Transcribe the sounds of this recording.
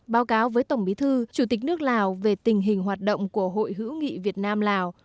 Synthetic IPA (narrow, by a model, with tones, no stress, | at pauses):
ɓaː˨˦wkaː˨˦wvəː˨˦jt̪ə˧˩wŋ͡mɓi˨˦t̪ʰɨ˧t͡ɕu˧˩t̪i˨˩k̚nɨ˦˥ək̚laː˨˩wve˨˩t̪ï˨˩ŋ̟ɦï˨˩ŋ̟ɦwaː˨˩t̚ɗə̰˧˨wŋ͡mku˧˩əɦo̰˧˨jɦɨ̰˧˥wŋḭ˧˨vi˨˩ət̚naː˧mlaː˨˩w